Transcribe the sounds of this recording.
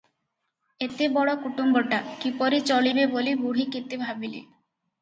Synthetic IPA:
et̪ebɔɽokuʈumboʈakipɔɾit͡ɕoɭibebolibuɽ̤ikit̪ːebʱabilḛ

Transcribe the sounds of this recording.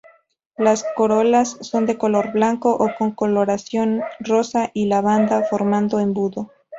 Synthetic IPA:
lasko̞ɾo̞lasːo̞nd̪e̞ko̞lo̞ɾblaŋko̞ʔoko̞ŋko̞lo̞ɾasjo̞nro̞saʔilaβand̪afo̞ɾmãnd̪o̞embuðo̞

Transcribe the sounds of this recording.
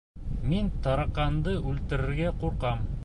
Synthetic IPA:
mint̪ɑɾɑqɑnd̪ɤʔʉlt̪ɘ̆ɾɘ̆ɾɡæquɾqɑm

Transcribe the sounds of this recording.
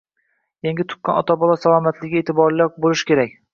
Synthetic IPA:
jaŋɡʲɪt̪ʰʊ̥qqːɑnɒt̪ʰabɒlˠɒsalˠɒmat̪lɪɡʲɪet̪ʰɪbɒɾlaɾbolˠɪʃkʲʰe̞ɾakʲ

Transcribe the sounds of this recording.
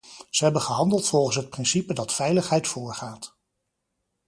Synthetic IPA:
z̥əɦɛbəχəɦɑndəlˠtfɔlˠχən̩sɦət̚prɪnsipədɑtfɛjləχɦɛjtfʊːɹχaːt

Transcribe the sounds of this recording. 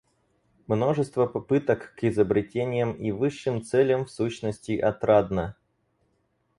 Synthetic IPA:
mno̞ʐɨst̪vəpɐpɨt̪əkːɪzəbɾʲɪtʲenʲɪjəmivɨʂːɨmt̪sɛlʲəmfsuɕnəsʲtʲɪʔɐt̪ɾad̪nə

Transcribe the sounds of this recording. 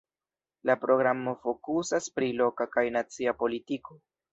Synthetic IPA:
lapɾo̞ɡɾamofo̞kusaspɾilo̞kakajnat͡siapo̞litiko̞

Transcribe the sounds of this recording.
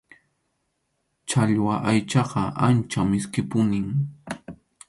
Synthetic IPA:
t͡ʃaʎwaʔajt͡ʃɑqɑʔant͡ʃamɪskɪpʊnɪŋ

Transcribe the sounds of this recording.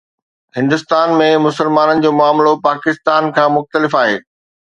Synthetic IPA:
hɪ̃nd̪ʊst̪aːnmẽmʊsəlmaːnənɪ̆d͡ʑoːmʊaːmlopaːkɪst̪aːnkʰãːmʊxt̪əlɪfaːɦeː

